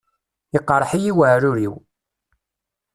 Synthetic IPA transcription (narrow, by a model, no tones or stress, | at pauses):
iqːɾˤħijiwəʕɾʊɾiw